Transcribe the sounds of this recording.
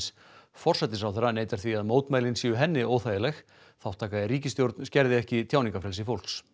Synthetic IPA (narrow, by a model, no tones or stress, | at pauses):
s | fɔr̥sɛt̪ːɪsawθɛɾːaneːjt̪aɾ̥θviaðmoːwt̪maːjlɪnsiːʏɦɛnːɪoːwθajɪlɛx | θaw̥ht̪ʰːaːkaðɪɾiːcɪst̪jowɾt̪nscɛɾðɪɛhcɪt̪ʰjaːwnĩŋkafɾɛlsɪfowl̥s